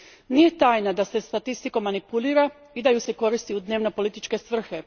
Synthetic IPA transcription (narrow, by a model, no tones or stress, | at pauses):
nije̞t̪aːjnad̪ase̞st̪at̪ist̪iko̞manipuliːɾa | id̪ajuse̞ko̞ɾist̪iud̪ne̞ːʋno̞po̞lit̪it͡ʃke̞sʋr̩xe̞